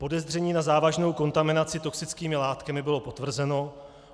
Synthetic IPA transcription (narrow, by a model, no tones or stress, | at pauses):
po̞dɛzdr̝ɛɲiːnazaːvaʒno̞wko̞nt̪amɪnat͡sɪt̪o̞ksɪt͡skiːmɪlaːt̪kamɪbɪlo̞po̞t̪vr̩zɛno̞